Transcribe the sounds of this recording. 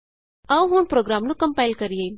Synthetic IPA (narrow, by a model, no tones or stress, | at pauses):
ɐʋɦũːnpɾoːɡɾaːmnukə̃mpaɪlkəɾije